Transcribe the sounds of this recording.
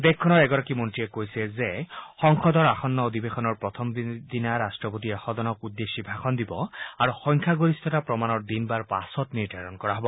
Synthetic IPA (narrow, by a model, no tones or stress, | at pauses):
d̪ekʰːɔnɔɹɛɡɔɹakimɔntɹiekojsɛzexɔŋxɔd̪ɔɹaxɔnːɔod̪ibexɔnɔɹpɹɔt̪ʰɔmbd̪inaɾastɹɔpot̪iɛxɔd̪ɔnɔkud̪ːesibʱaxʰɔnd̪ibɔaɹuxɔŋkʰaɡoɹist̪ʰɔtapɹɔmanɔɹd̪inbaɹpa̰sɔtniɹd̪ʱaɹɔnkɔɹaɦɔbɔ